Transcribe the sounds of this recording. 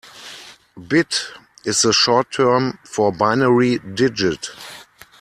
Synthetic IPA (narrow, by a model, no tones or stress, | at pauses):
bɪtɪsðəʃɔtʰːɜ˞mfɔbaɪnəɹidɪd͡ʒɪt